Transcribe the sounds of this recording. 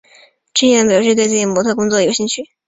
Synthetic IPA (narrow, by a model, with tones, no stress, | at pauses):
ʈ͡ʂ̩˥˧jn˩pʂ̩˥˧t̪we˥˧ɪt͡s̩˥˩t͡ɕi˧˩mwɔ˧˥t̪ʰɤ˥˩kʊ˥ŋt͡sɔ˥˩˧jɕi˥˧ŋt͡ɕʰy˥˩